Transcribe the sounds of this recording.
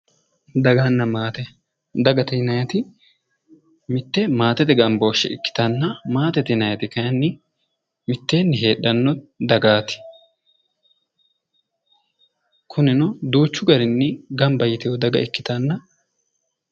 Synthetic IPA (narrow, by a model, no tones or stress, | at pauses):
d̪ɐɡaːnːɐmaːt̪ɛ | d̪ɐɡɐt̪ɪnɐjɐt̪ɪ | mɪt̪ːɛmaːt̪ɛt̪ɛɡɐmboːʃːɛ̰ɪkːɪ̥t̪ɐnːɐmaːt̪ɛt̪ɪnɐjɐt̪ɪkɐjɐnːɪ | mɪt̪ːe̞ːnːɪɦe̞ːɗːɐnːɔd̪ɐɡaːt̪ɪ̥ | kʰʊnɪnɔd̪uːt͡ʃːʊɡɐɾɪnːɪɡɐmbɐjɪt̪ɪjɔd̪ɐɡɐ̰ɪkːɪ̥t̪ɐnːɐ